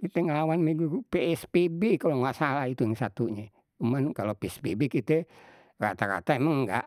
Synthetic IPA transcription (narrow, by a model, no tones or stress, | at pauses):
kit̪ɛŋalawanmiɡuɡupeɛspebekaloŋɡaʔsalahit̪uŋsat̪uɲɛ | umankalopeɛspebekit̪ɛ | ra̰t̪aɾa̰t̪aemaŋɡa̰ʔ